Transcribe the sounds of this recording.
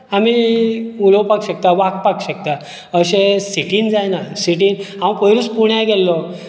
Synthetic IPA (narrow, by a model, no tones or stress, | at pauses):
amiuləwpakɕək̚t̪aʋak̚pakɕək̚t̪a | əɕesiʈind͡zajnasiʈiːnɦãw̃pəjɾuspuɳjajɡɛlːɔ